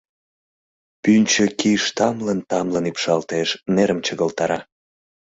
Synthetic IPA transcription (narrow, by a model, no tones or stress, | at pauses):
pynʲt͡ɕəkiʃt̪ɑmlənt̪ɑmlənipʃɑlt̪eʃneɾəmt͡ɕəɣəlt̪ɑɾɑ